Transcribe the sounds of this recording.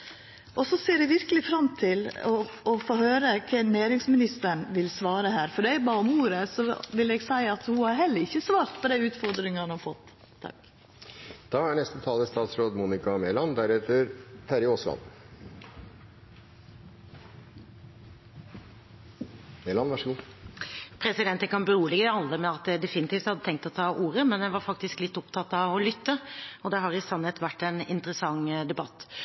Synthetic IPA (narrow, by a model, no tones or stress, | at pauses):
ʔɔsɔseːɖɛʋɪɾkəlɪfɾɑmt̪ʰɪlɔɔfoːhøːɾəkʰɛnæːɾɪŋsmɪnɪst̪əɳʋɪlsʋɑːɾəhæːɾfɔɖɛɪbɑːɔmuːɾəsɔʋɪlɛɡsæɪɑt̪hʊhɑɾɦɛlːəɾɪçːəsʋɑːɾt̪pʰɔd̪æɪʉːt̪fɔɾd̪ɾɪŋəhɑnhɑfɔt̪ːʰ | ɑ̰k | d̪̥ɑːæɳɛst̪ət̪ʰɑːləst̪ɑːt̪sɾoːd̪muːnɪkɑmeːlɑnd̪æɾɛt̪əɾt̪ʰæɾɪoːslɑ̰n | meːlɑnʋæʂəɡuː | pʰɾɛsɪd̪ɛnt̪ənkʰɑnbəɾuːəlɛɡəɑlːəmɛɑt̪̚d̪ɛd̪ɛfɪnɪt̪iːft̪hɑd̪ːət̪ʰɛŋkt̪ɔt̪ʰɑːʔuːɾəmɛnjæʋɑɾfɑk̚t̪ɪsklɪt̪ːʊpt̪ʰɑt̪ːɑʋɔlʏt̪ːəɔd̪ɛɦɑɾɪsɑnhət̪ʋæʈːɛnɪnt̪ɾəsɑŋd̪ɛbɑt̪ː